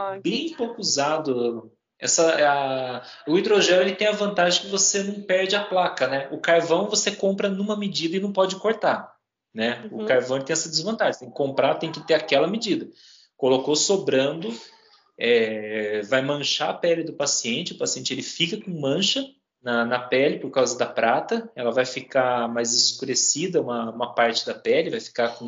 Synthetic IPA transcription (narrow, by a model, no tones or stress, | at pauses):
bẽj̃powkʊuzad̪ʊ | ɛ̰sɐɐ | ʊid̪ɾoʒẽnʊelɪt̪ẽj̃ɐvɐ̃nt̪aʒẽkɪvosenɐ̃w̃pɛɾd͡ʒɪɐplakɐnɛʊkaɾvɐ̃w̃vosekõmpɾɐnũmɐmɪd͡ʒid̪ɐɪnɐ̃w̃pɔd͡ʒɪkoɾt̪a | nɛʊkaɾvɐ̃w̃eɪt̪ẽj̃ɛsɐd͡ʒ̪ɪzvɐ̃nt̪aʒẽst̪ẽj̃kɪkõmpɾat̪ẽj̃kɪt̪eɾakɛlɐmɪd͡ʒid̪ɐ | kolokosobɾɐ̃nd̪ʊ | ɛ | vajmɐ̃ʃaɐpɛlɪd̪ʊpasiẽnt͡ʃɪʊpasiẽnt͡ʃɪelɪfikɐkõmɐ̃ʃɐ | nɐnɐpɛlɪpoɾkawzɐd̪ɐpɾat̪ɐɛlɐvajfikamajzɪskuɾesid̪ɐũmɐũmɐpaɾt͡ʃɪ̥d̪ɐpɛlɪvajfi̥kakõ